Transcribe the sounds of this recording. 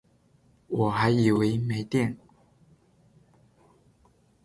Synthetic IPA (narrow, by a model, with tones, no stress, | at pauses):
wɔ˨˩xa˧˥ɪi˨˩we˨˧˦ɪme˧˥ɪt̪jɛ˥˨n